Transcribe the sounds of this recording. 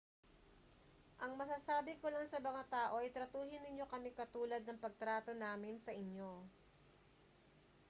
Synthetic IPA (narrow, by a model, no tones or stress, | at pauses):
ʔɐŋmɐs̬aːsaːbɪkolaŋsɐmɐŋat̪aːʔo̞ʔɐjt̪ɾɐt̪uːɦɪnːɪɲjo̞kɐmɪkɐt̪uːlɐd̪̚nɐŋpɐɡ̚t̪ɾaːt̪o̞naːmɪnsɐʔɪɲjo̞